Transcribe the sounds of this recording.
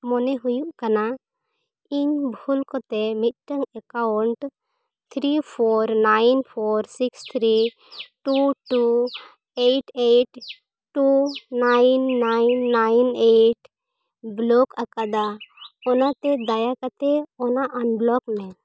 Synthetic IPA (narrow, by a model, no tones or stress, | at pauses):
mɔneɦujuʔkana | iɲbʱulkɔt̪emit̪̚ʈəŋɛkaʊɳʈ | t̪ʰɾipʰɔɾnaɪnpʰoɾsikst̪ʰɾi | ʈuʈu | eʈʰeʈ | ʈunajnːajnːajneʈ | blɔkəkad̪aɔnat̪ed̪ajakat̪eɔnaʔənblɔkmɛ̃